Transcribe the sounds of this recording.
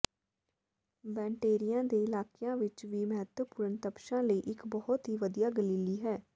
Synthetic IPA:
bɛ̃ːɳʈeːɾɪjãːd̪eːɪlaːkɪjãːʋɪt͡ʃʋiːməɦət̪wəpʊɾənt̪əpʃãːləiːʔɪkbɔhɔt̪ɦiːʋəd̪ijaːɡəliːliːɦɛː

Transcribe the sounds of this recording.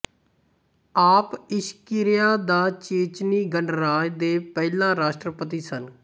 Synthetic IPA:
aːpɪʃkɪɾɪjaːd̪aːt͡ʃeːt͡ʃniːɡəɳɾaːjd̪eːpɛːlãːɾaːʃʈɾəpət̪̬iːsən

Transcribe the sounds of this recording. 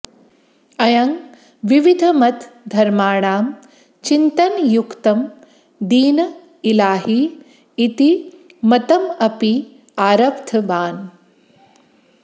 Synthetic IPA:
ɐjɐŋ | ʋiʋid̪ʱɐmɐt̪d̪ʱɐɾmaːɳaːm | t͡ʃint̪ɐnjukt̪ɐm | d̪iːnɐ | ilaːɦiː | t̪i | mɐt̪ɐmɐpi | aːɾɐpt̪ʰɐʋaːn

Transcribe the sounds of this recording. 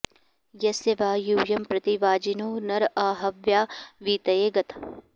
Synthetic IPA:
jɐseʋaːjuːjɐmpɾɐt̪iʋaːd͡ʒinoːnɐɾaːɦɐʋjaːʋiːt̪ɐjeːɡɐt̪ʰ

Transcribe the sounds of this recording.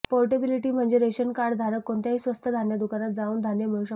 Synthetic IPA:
polʈebiliʈiːm̤əɳd͡zeɾeɕənkaɾɽd̪ʱaɾəkːoɳt̪jaɦiːsʋəst̪ʰəd̪ʱanjad̪ukaɾat̪̚d͡zauːnd̪ʱanjameuɕə

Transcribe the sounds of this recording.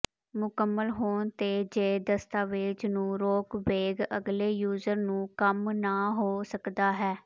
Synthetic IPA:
mʊkəmːəlɦoːɳt̪eːd͡ʒeːd̪əst̪aːʋeːd͡ʒnũːɾoːkʋeːɡəɡleːjuːzəɾnũːkəmnaːɦoːsəkd̪aːɦɛː

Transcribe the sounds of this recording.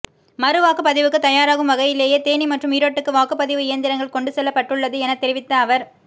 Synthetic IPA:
mɐɾɯʋaːkɯpːɐðɪʋɯkːɯt̪ɐjaːɾaːɣɯmʋɐɣɐjɪleːjeːt̪eːɳimɐʈrɯmiːɾoːʈːɯkːɯʋaːkɯpːɐðɪʋɯɪjɐnd̪ɪɾɐŋɡɐɭkɔɳɖɯsɛlːɐpːɐʈːɯɭːɐðɯɛnɐt̪ːɛɾɪʋɪt̪ːɐːʋɐɾ

